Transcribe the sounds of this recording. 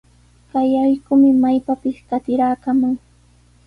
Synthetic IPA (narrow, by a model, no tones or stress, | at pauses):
kajajkʊmɪmajpapɪskat̪ɪɾaːkamʊŋ